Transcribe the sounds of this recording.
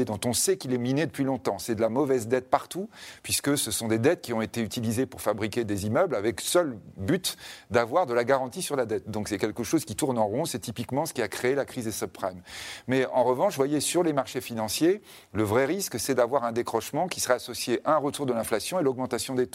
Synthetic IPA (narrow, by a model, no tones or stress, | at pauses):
ed̪ɔ̃t̪ɔ̃sɛkilɛmined̪əpɥilɔ̃t̪ɑ̃sɛd̪əlamɔvɛzd̪ɛt̪̚paʁt̪upɥiskəsəsɔ̃d̪ed̪ɛt̪̚kʲiɔ̃et̪eyt̪ilizepuʁfabʁikʲed̪ezimœblavɛksœlbyt̪d̪avwaʁd̪əlaɡaʁɑ̃t̪isyʁlad̪ɛt̪̚d̪ɔ̃ksɛkʲɛlkəʃozkʲit̪uʁnɑ̃ʁɔ̃sɛt̪ipikmɑ̃sə̥kʲiakχeːlakχizesɔpχɛmːɛɑ̰̃ʁəvɑ̃ʃvwajesyʁlemaʁʃefinɑ̃sje | ləvʁɛʁisksɛd̪avwaʁɛ̃d̪ekχɔʃmɑ̃kʲi̥səʁɛasɔsjeʔaɛ̃ʁət̪uʁd̪əlɛ̃flasjɔ̃elɔɡ̚mɑ̃t̪asjɔ̃d̪et̪o